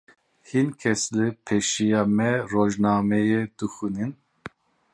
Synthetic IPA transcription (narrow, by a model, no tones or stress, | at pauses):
hinkʰɛslɨpʰɛʃijɑːmɛroːʒnɑːmɛjed̪̥ɨxunɨn